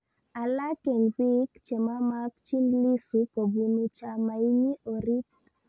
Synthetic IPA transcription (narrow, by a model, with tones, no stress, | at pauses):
a˨la˦kɛ˨nwi˦kt͡ʃe˨ma˦ma˦kt͡ʃi˦nli˦su˨ko˨ɡu˨nu˨t͡ʃa˨ma˨i˦ɲi˦ʔo˨ɾi˦p